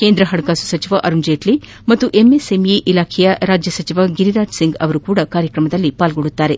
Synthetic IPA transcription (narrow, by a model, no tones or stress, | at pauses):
keːnd̪ɾɐɦɐɽɐkaːsu̥sɐt͡ʃiʋɐʔɐɾund͡ʒeːʈli | mɐt̪ːuʔemesemjeʔilaːkʰɛjɐɾaːd͡ʒjɐsɐt͡ʃiʋɐɡiɾiɾaːd͡ʒsiŋɡɐ̰ʋɐɾukuːɽɐkaːɾjɐkɾɐmɐd̪ɐlːipaːlɡoɽut̪ːaːɾe